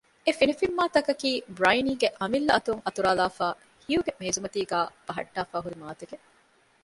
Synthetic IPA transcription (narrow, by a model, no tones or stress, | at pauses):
efinɐfimːaːt̪ɐkɐkiːbɾɐjniːɡeʔɐmilːɐɐt̪uŋɐt̪uɾaːlaːfaː | hijuɡemeːzumɐt̪iːɡæːb̥ɐɦɐ̰ɖːaːfaːɦuɾimaːt̪eɡe